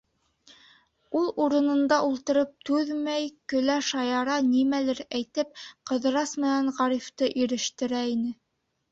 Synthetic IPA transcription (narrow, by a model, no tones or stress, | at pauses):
ulˠuɾɤ̆nɤ̆nd̪ɑʔulˠt̪ɤ̆ɾɤp̚t̪ʉðmæjkɵ̆læʃɑjɑɾɑnimælɘɾæjt̪ɘp̚qɤ̆ðɤ̆ɾɑsmɘ̆næɴʁɑɾift̪ɤʔiɾɘ̆ʃt̪ɘ̆ɾæinɘ